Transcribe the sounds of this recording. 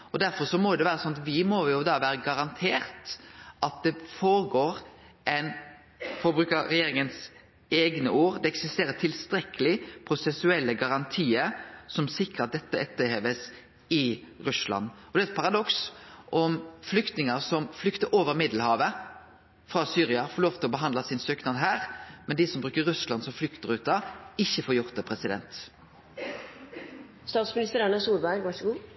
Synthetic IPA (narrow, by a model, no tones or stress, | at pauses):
ɔd̪æɾfɔɾsɔmɔjʊd̪ɛʋæːɾəsɔnɑt̪ʋɪmɔjʊd̪ɑʋæːɾəɡɑɾɑnt̪ʰeːɾt̪ʔɑt̪̚d̪ɛfoːɾɡoːɾʔɛɪn | fɔbɾʉːkəɾɛjeːɾɪŋəns | eːɡnəʔuːɾd̪ɛɛksɪst̪eːɾət̪ʰɪlst̪ɾɛkːəlɪpʰɾʊsɛsʉɛlːəɡɑɾɑnt̪ʰiːəɾsɔmsɪkɾəɑt̪̚d̪ɛt̪ːəɛt̪ːəheːʋəs | ɪʁʉslɑ̰nːɔd̪ɛɛt̪̚pʰɑʁɑd̪ɔksʔɔmflʏkt̪nɪŋəʁsɔmflʏkt̪əɾʔoːʋəʁmɪd̪l̩hɑːʋə | fɾɑsyːɾɪɑfoːɾloːʋt̪ɪlɔbəɦɑnd̪lɑsɪnsøːknɑd̪ɦæːɾmɛnd̪ɪsɔmbʁʉːkəɾːʉslɑnsɔmflʏkt̪əʁʉːt̪ɑɪçːəfoːɾjʊʁt̪əpʰʁɛsɪd̪ɛ̰nt̪ | st̪ɑːt̪smɪnɪst̪əɾɑnɛsuːlbæɪɾʋɑʂɡuː